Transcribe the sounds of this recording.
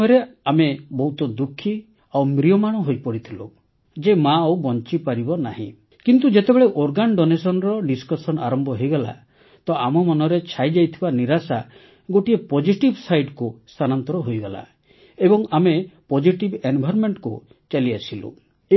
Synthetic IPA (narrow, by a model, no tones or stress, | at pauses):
ɾeamebɔɦut̪ɔd̪ukʰːi | awmɾiɔmaɽ̃ɔɦojpɔɽit̪ʰilṵ | d͡ʒemaɔwbɔnt͡ʃipaɾibɔnaɦḭ̃ | kint̪ud͡ʒet̪ebeɭeʔoɾɡanɖɔnesɔnɾɔɖiskɔsɔna̰ɾɔmbʱɔɦojɡɔla̰ | t̪ɔʔamɔmɔnɔɾet͡ʃʰajd͡ʒajt̪ʰibaniɾasa | ɡoʈiepɔd͡ʒiʈibsajɖkust̪ʰanant̪ɔɾɔɦojɡɔla̰ | ebɔŋamepɔd͡ʒiʈibenbʱaɾɔmeɳʈku | t͡ʃaliasilṵ | e